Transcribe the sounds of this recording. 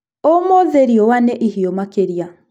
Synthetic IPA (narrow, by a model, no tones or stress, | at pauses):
omoðeɾjɔwaneʔihiomakeɾija